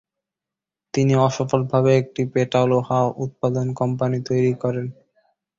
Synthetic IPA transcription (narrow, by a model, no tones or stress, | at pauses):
t̪iniɔʃɔfolbʱabeek̚ʈipeʈalohaoʔut̪̚pad̪onkɔmpanit̪ojɾikɔɾen